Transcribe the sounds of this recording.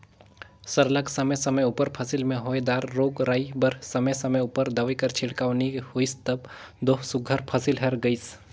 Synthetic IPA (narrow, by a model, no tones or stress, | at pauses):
sɐɾlɐksɐməjsɐməjʊpəɾpʰɐsɪlmẽɦoːjd̪aːɾːoːɡɾaːibɐɾsɐməsɐməjʊpəɾd̪ɐʋekɐɾt͡ʃʰɪɽkaːʋnihoist̪ɐb | d̪oːɦsʊɡʱəɾpʰɐsɪlɦɐɾɡɐis